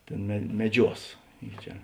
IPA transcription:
ˈtʲeːn mʲɛ mʲɛˈd͡ʒʲuɔs ɪ ˈt͡ʃʲɛ

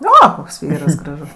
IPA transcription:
ˈoː ˈkoːks ˈʋʲiːrɐs ɡrɐˈʒʊs

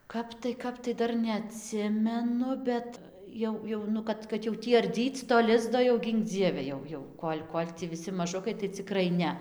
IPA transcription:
ˈkɐp tɐɪ ˈkɐp tɐɪ ˈdɐr nʲɛɐˈtʲsʲɪmʲɛnʊ ˈbʲɛt ˈjɛʊ ˈjɛʊ nʊ ˈkɐt kɐt jɛʊ ˈtʲiː ɐrʲˈdʲiːt͡s toː ˈlʲɪzdoː jɛʊ ˈɡʲiːŋk ˈd͡zʲiɛʋʲɛ ˈjɛʊ ˈjɛʊ ˈkoːlʲ ˈkoːlʲ tʲiː ʋʲɪˈsʲɪ mɐˈʒʊkɐɪ tɐɪ t͡sʲɪˈkrɐɪ ˈnʲɛ

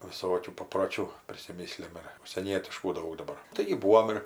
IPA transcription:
ʋʲɪˈsoːkʲuː pɐproːˈt͡ʃʲuː pʲrʲɪsʲɪˈmʲɪsʲlʲɛm ɪr ʊʃʲsʲiɛˈnʲiɛtʲɪʃkuː ˈdɐʊk dɐˈbɐr ˈtɐɪɡʲɪ ˈbuːoːm ɪr

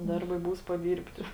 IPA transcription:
ˈdɐrˌbɐɪ ˈbuːs pɐˈdʲiːrʲpʲtʲɪ

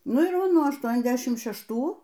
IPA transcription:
ˈnʊ ɪr ˈʋɐ ˈnuɔ ɐʃˌtuɔnʲɛzʲˈdʲæːʃʲɪmt ʃʲɛʃˈtuː

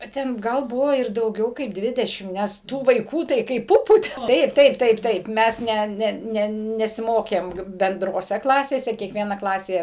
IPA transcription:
ɐ ˈtʲɛn ˈɡɐlˠ ˈbʊʋoː ɪr dɐʊˈɡʲɛʊ kɐɪp ˈdʲʋʲɪdʲɛʃʲɪm nʲɛs ˈtuː ʋɐɪˈkuː tɐɪ kɐɪp ˈpʊpuː ˈtɐɪp ˈtɐɪp ˈtɐɪp ˈtɐɪp ˈmʲɛs ˈnʲɛ ˈnʲɛ ˈnʲɛ nʲɛsʲɪˈmoːkʲeːm bʲɛndroːˈsʲɛ ˈklˠɑːsʲeːsʲɛ kʲiɛkˈʋʲiɛnɐ ˈklˠɑːsʲeː

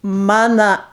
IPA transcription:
ˈmɑːnɐ

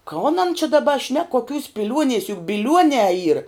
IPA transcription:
ˈkoːn ɐn t͡ʃʲɛ dɐˈbɐ ʃʲnʲɛk koːˈkʲuːs pʲɪˈlʲuɔnʲiɛs jʊk bʲɪˈlʲuɔnʲɛː iːr

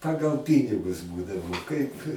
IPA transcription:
ˈpɑːɡɐlˠ ˈpʲiːnʲɪɡʊs ˈbuːdɐʋoː kɐɪp

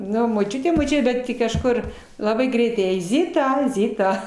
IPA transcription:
ˈnʊ moːˈt͡ʃʲʊtʲɛ moːˈt͡ʃʲʊtʲɛ ˈbʲɛt ˈtʲɪ kɐʃˈkʊr lˠɐˈbɐɪ ˈɡrʲɛɪtɐɪ jɛɪ ˈzʲɪtɐ ˈzʲɪtɐ

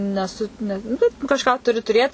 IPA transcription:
nʲɛˈsʊ ˈnʲɛ nʊ ˈbʲɛt kɐʃˈkɑː ˈtʊrʲɪ tʊˈrʲeːt

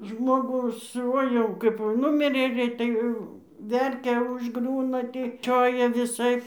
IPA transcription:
ˈʒmoːɡuː ˈsʊ ˈoːɪ jɛʊ kɐɪp ˈnʊmʲɪrʲeː ˈɡrʲɛɪtɐɪ ˈʋʲɛrʲkʲɛ ʊʒˈɡrʲuːnɐ ˈtʲiː ˈt͡ʃʲoːjɛ ʋʲɪˈsɐɪp

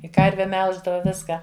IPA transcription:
ɪ ˈkɐrʲʋʲɛ ˈmʲɛlˠʒdɐʋɐ ˈʋʲɪskɑː

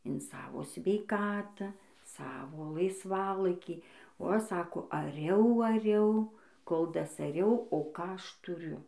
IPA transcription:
ɪn ˈsɑːʋoː sʲʋʲɛɪˈkɑːtɑː ˈsɑːʋoː lˠɐɪsˈʋɑːlˠɐɪkʲiː oː ˈɐʃ ˈsɑːkoː ɐˈrʲɛʊ ɐˈrʲɛʊ koːlˠ dɐsɐˈrʲɛʊ oː ˈkɑː ˈɐʃ tʊˈrʲʊ

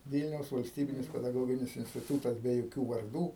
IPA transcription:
ˈʋʲiːlʲnʲɛʊs ʋɐlʲsʲˈtʲiːbʲɪnʲɪs pʲɛdɐˈɡoːɡʲɪnʲɪs ɪnʲsʲtʲɪˈtuːtɐs bʲɛ joːˈkʲuː ʋɐrˈduː

